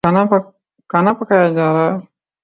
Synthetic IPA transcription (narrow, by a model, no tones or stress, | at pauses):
kɐnap | kɐnapɐkʰajad͡ʒaːɾaː